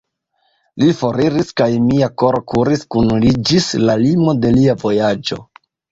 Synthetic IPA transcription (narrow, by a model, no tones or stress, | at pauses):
lifo̞ɾiɾiskajmiako̞ɾokuɾiskunlid͡ʒislalimo̞de̞liavo̞jad͡ʒo̞̰